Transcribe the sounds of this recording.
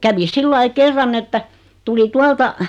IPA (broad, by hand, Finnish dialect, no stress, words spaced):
kæʋi silːɑi kerːɑn etːæ tuli tuɑltɑ